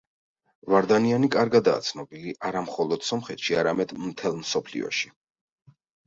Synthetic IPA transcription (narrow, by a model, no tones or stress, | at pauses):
vaɾd̪anianikʼaɾɡad̪a̰ːt̪sʰnɔbiliʔaɾamχɔlˠɔd̪̥sɔmχɛt̪ʃiaɾamɛd̪mt̪ʰɛlˠmsɔpʰlḭɔ̰ʃi̥